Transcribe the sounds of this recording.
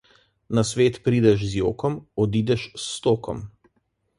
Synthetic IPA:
nasʋeːt̪pɾiːd̪ɛʃzjoːkɔmɔd̪iːd̪ɛʃst̪oːkɔ̰m

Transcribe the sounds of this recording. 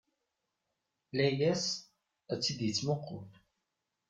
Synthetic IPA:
læjæs | æt͡sːid̪jət͡sːmʊqʰːʊn

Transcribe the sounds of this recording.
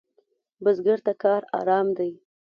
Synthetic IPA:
bəzɡəɾt̪akɑɾɑ̰ɾɑmd̪aj

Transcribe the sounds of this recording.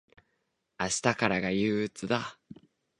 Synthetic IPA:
aɕi̥t̪akaɾaɡajɯːt͡sɨd̪a

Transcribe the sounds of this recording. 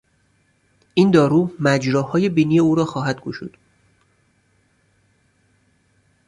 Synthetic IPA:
ʔiːnd̪ɒːɾuːmæd͡ʒɾɒːhɒːje̞biːniːjeuːɾɒːxɒːɦæd̪̚ɡoʃṵːd̪̥

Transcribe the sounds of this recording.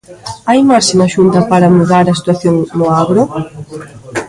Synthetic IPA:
ajmasɪnɐʃunt̪ɐpaɾɐmuðaɾɐsi̥t̪waθjoŋmoaɣɾo

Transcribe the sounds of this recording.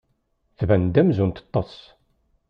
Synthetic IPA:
θvænd̪æmzunt̪ɑ̥t̪ˤːɑs

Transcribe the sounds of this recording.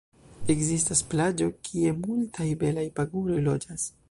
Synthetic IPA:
e̞kzistasplad͡ʒo̞kʰie̞multʰajbe̞lajpaɡulo̞jlo̞d͡ʒas

